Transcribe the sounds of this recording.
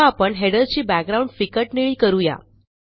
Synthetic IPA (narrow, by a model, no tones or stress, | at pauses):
aːpəɳɦeɽəɾt͡ɕiːbæk̚ɡɾauɳɖfikəʈniɭiːkəɾuja̰